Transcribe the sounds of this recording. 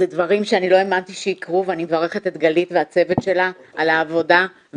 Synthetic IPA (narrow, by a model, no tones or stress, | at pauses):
edvaʁimʃeanilo̞e̞mant̪iʃeikʁuveanimevaʁe̞χetet̪ɡalitveat͡se̞vetʃe̞la | ʔalaːvo̞da